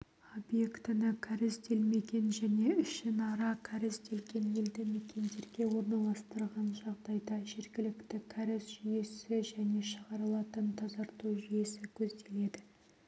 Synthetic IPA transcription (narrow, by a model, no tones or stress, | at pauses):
o̞bje̞kt̪ɪnɪkʲʰaɾɪsd̪e̞lme̞ɡʲe̞nʒæne̞ʏʃʃɪnɑɾɑkʲʰæɾɪsd̪e̞lɡʲe̞nje̞ld̪ɪmekʲe̞nd̪e̞ɾɡʲe̞wo̞ɾnɑlˠɑst̪əɾʁɑnʒɑʁd̪ɑjd̪ɑʒe̞ɾɡʲɪlɪkt̪ɪkʲʰæɾɪsʒ̥ʏje̞sɪʒæne̞ʃəʁɑɾəlˠɑt̪ənt̪ʰɑzɑɾt̪uʒʏje̞sɪkʲʰɵzd̪e̞le̞d̪ɪ